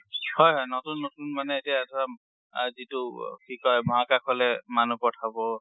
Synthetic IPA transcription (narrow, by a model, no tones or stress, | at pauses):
hɔjɦɔjnɔtunːɔtunmanɛetiaɛtʰɔa | zitʊkʰikɔjmɔɦakakʰɔlɛmanupɔtʰabɔ